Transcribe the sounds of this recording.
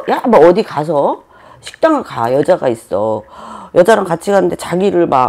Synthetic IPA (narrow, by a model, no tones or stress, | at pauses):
jamʌdikas̬ʰʌ | ɕʰi̥k̚t͈aŋɯɭka̰jʌd͡ʑaɡais͈ʌjʌd͡ʑaɾɯŋkat͡ɕʰiɡanɯnde̞t͡ɕaɡiɾɯɭma